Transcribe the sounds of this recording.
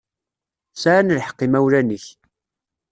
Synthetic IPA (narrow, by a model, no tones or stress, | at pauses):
saʕanlħə̥qːimæwlænəç